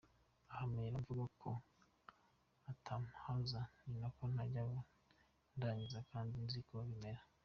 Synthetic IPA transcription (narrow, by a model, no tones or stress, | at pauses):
ahameɾaɱvuɡakʰo̞ | atʰamuhazaninakon̥aɟaβa | ndaːɲizakaːndinzikoβime̞ɾa